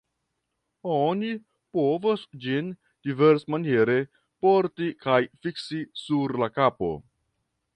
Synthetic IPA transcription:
oni | po̞vosd͡ʒin | d̥ive̞ɾsmanje̞ɾe̞ | poɾtikajfiksisuɾlakapo̞̰

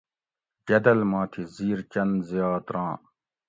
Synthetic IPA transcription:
ɡɐd̪ɐlmãːt̪ʰiziːɾt͡ɕɐnzjaːt̪ɾãː

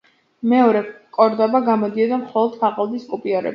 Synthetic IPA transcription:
mɛɔɾɛkʼɔɾd̪ɔbaɡamɔd̪iɔd̪amχɔlˠɔd̪̥pʰaʁʼɔlˠd̪iskʼupʼiɔɾɛ̰b

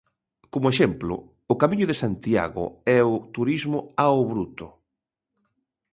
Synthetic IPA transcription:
komʊeʃɛmplʊ̰ | ʊkamĩɲʊðesant̪ia̰ɣʊ̰ɛʊt̪uɾizmʊaoβɾut̪ʊ

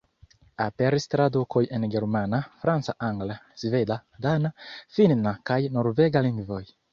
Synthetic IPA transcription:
apeɾist̪ɾad̪ukojenɡeɾmanafɾant͡ssaʔaŋɡlazved̪ad̪anafinnakajnoɾveɡaliŋɡvoj

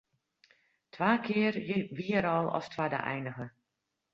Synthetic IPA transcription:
tʰʋaːkʰɪərjɪʋiəɾɔlˠɔ̰stwadə̰ʔɛ̰jnəɣə

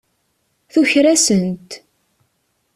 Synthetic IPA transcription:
θuçɾæsənt̪

